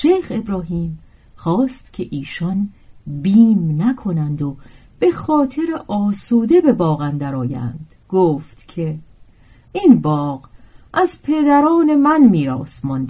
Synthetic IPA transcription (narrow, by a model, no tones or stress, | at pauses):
ʃejxe̞bɾɒːɦiːm | χɒːst̪cʰe̞ʔiːʃɒnbiːmnækʰo̞nænd̪o | b̥e̞xɒːt̪ʰe̞ɾeʔɒːsuːd̪e̞be̞bɒːɣænd̪æɾɒːjæ̰nd̪̥ɡ̥oːft̪cʰe̞ | inbɒːɣʔæzpʰe̞d̪æɾɒːne̞mænmiːɾɒ̰ːsmɒnd̪